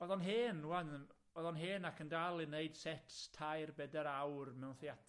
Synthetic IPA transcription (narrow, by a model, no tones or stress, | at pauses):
ɔðɔnɦeːnwann | ɔðɔnɦeːnakʰəndalˠineɨd̥sɛtʰstʰajrbɛdɛɾawrmɛwnθjatʰ